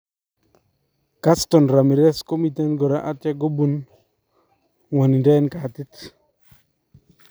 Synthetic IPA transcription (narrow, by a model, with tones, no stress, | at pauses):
ka˦sto˨nɾa˨mi˨ɾe˦sko˦mi˨te˦nɡo˨ɾa˦ʔa˦tja˦ɡo˦bu˨n | wa˨ni˨de˦nka˨ti˦t